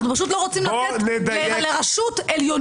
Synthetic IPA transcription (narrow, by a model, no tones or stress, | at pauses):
nupaʃ̬ut̬lo̞ʁot͡simlaened̪aeleʁaʃut̪eljon